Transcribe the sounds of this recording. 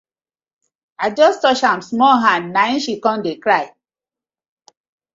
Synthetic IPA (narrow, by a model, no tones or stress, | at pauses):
aɪd͡ʒɔstɔt͡ʃhãmsmɔlɦãndnaĩnʃikɔ̃ndekɹaɪ